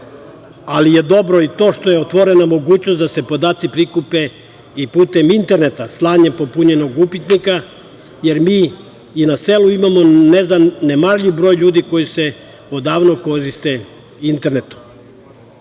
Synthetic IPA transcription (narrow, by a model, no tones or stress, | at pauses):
alije̞d̪o̞bɾo̞it̪o̞ːʃt̪o̞jeot̪ʋo̞ɾe̞namo̞ɡuːt͡ɕnosd̪ase̞po̞d̪aːt̪sipɾikupe̞ | ipuːt̪e̞mint̪e̞ɾne̞t̪aslˠaːɲempopuɲe̞no̞ɡupit̪nika | je̞ɾmiː | inaseluimamo̞nezd̪anːemaɾʎiʋbɾo̞ːjʎuːd̪iko̞jise̞ | od̪aːʋno̞ko̞ɾist̪e̞ | int̪eɾne̞t̪u̥